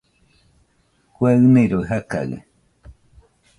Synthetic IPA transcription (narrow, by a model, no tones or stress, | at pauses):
kwaɨnẽjɾoɦaka̰ɣɨ̰